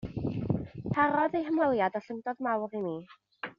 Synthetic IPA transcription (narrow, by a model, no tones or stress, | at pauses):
pʰaɾɔðejɦəmɔlˠjadɔɬəŋdɔdmawrimiː